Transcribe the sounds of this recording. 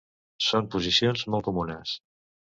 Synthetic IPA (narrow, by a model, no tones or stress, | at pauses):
sompuzisionzmɔlˠkumunəs